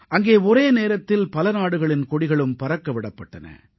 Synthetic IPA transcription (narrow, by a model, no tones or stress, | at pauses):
ʔɐŋɡeːɔɾeːneːɾɐt̪ːɪlpɐlɐnaːɽɯɣɐɭɪnkɔɽɪɣɐɭɯmpɐɾɐkːɐʋɪɽɐpːɐʈːɐnɐ̰